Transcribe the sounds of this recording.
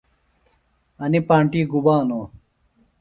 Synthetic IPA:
ɐnipãːɳʈiːɡubaːnoː

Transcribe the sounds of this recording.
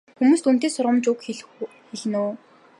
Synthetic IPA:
xumuːst̪un̥t̪eːsʊɾʁə̆mt͡ɕʊkxiɮ | xiɮnuː

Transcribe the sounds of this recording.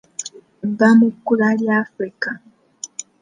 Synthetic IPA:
bamukːulaljafɾika

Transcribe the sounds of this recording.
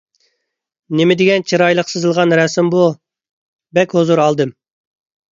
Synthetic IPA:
nemɪd̪ɪɡʲɛnt͡ʃʰiɾɑjlˠəqsɨzɨlˠʁɑnɾɛsɪmbu | bɛkʲhozuɾɑlˠd̪ɨm

